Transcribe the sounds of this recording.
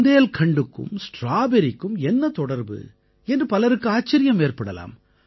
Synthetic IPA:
nd̪ejɐlkʰɐɳɖɯkːɯ̰msʈɾaːbɛɾɪkːɯmɛnːɐt̪ɔɽɐɾbɯ̰ | ɛndrɯpɐlɐɾɯkːɯaːt͡ʃːɐɾɪjɐmeːrpɐɽɐla̰ːm

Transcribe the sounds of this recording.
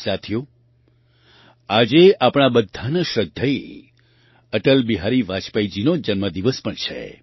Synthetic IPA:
sat̪ʰijo | ad͡ʒeapɽ̃abəd̪ʱanəʃɾəd̪ʱəj | əʈəlbiɦaɾiʋat͡ʃpəid͡ʒinod͡ʒənməd̪iʋəspəɳt͡ʃʰḛ

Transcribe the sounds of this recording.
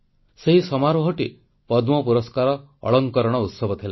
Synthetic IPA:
seɦisɔmaɾuɦoʈi | pɔd̪mɔpuɾɔskaɾɔ̰ː | ɭɔŋkɔɾɔɽ̃ɔut̪sɔbɔt̪ʰila

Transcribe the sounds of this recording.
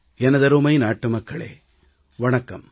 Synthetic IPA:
ɛnɐðɐɾumɐjnaːʈːɯmɐkːɐɭḛː | ʋɐɳɐkːɐm

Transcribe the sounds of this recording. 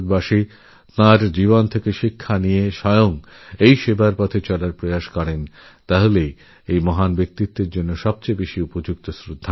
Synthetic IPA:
ɾbaʃi | t̪ãɾd͡ʑiβont̪ʰekeʃikʰːanijeʃɔjoŋ | ejʃebaɾpɔt̪ʰet͡ɕɔlaɾpɾojaʃkɔɾen | t̪aɦole | ejmɔɦanbek̚t̪it̪ːeɾd͡ʑonːoʃɔb̚t͡ɕejbeʃiupod͡ʑuk̚t̪osɾod̪ʱːa

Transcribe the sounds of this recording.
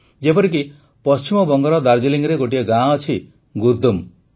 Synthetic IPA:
d͡ʒepɔɾik̬i | pɔst͡ʃimɔbɔŋɡɔɾɔd̪aɾd͡ʒiliŋɡɾeɡoʈiɔɡãɔt͡ʃʰi | ɡuɾd̪um

